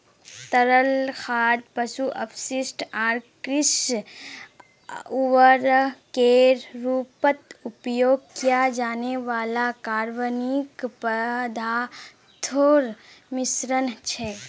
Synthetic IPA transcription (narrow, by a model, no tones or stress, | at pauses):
t̪əɾəlxʰaːɾpəsuʔəpʰʃɪsʈaːɾkɾɪs | uʋəɾkeɾɾuːpət̪upjoːɡ̚kijad͡ʒaːneʋaːlakaːɾʋənikpəd̪ʱa | t̪ʰoːɾ | mɪsɾənt͡ʃʰɛ